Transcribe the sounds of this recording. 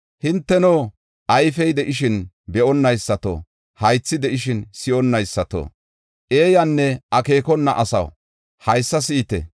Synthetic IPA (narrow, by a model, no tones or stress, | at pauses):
hɪnt̪ːɛnoː | ʔɐjfɛjd̪ɛʔɪʃɪn | bɛʔɔnːɐjsːɐt̪o̰ | hɐjt͡sːɪd̪ɛʔɪʃɪnsɪʔɔnːɐjsːɐt̪o̰ | ʔe̞ːjɐnːɛʔɐke̞ːkɔnːɐ̰ʔɐsɐ̰w | hɐjsːɐs̬ɪːt̪ɛ̰